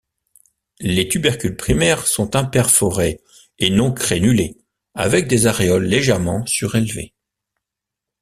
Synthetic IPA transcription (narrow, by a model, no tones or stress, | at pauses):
let̪ybɛʁkʲylpχimɛʁsɔ̃t̪ɛ̃pɛʁfɔʁeː | nɔ̃kχenyle | a̰vɛk̚d̪ezaʁeɔlːeʒɛʁmɑ̃syʁelvḛ